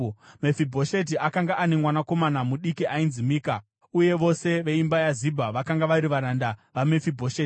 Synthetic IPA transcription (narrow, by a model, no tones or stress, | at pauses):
mefibʱo̞ʃet̬iakaŋɡaʔanemwanako̞manamuɗikiʔainzimiːka | uje̞ʋo̞se̞ʋe̞imbajazibʱaʋakaŋɡaʋaɾiʋaɾandaʋamefibʱoʃeːti̥